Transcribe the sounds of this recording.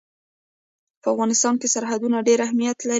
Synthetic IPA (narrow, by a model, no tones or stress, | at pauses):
pəafɣɑnɪst̪ɑnkesaɾɦad̪unaɖeɾahmijat̪la